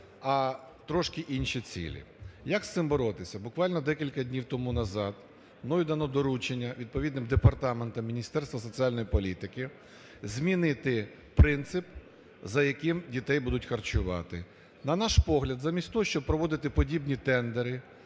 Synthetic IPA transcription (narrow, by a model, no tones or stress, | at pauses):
ɐ | t̪ɾɔʃkɪʔinʲʃit͡sʲḭlʲḭjɐkst̪ɪmbɔɾɔt̪ɪsʲɐbʊkʋɑlʲnɔd̪ɛkʲilʲkɐdʲnʲiwt̪ɔmunɐzɑd̪ | nɔjid̪ɐnɔd̪ɔɾut͡ʃenʲːɐʋʲid̪̚pɔʋʲid̪nɪmd̪epɐrt̪ɑment̪ɐmːʲinʲist̪ɛrst̪ʋɐsɔt͡sʲialʲnɔjipɔlʲit̪ɪkɪ | zʲmʲinɪt̪ɪ | pɾɪnt̪sɪp | zɐjɐkɪmdʲit̪ɛjbud̪ʊtʲxɐrt͡ʃʊʋɑ̰t̪ɪ | nɐnɑʃpɔɦlʲɐd̪zamʲisʲt̪ɔɔʃt͡ʃɔb̚pɾɔʋɔd̪ɪt̪ɪpɔdʲibnʲit̪ɛnd̪eɾɪ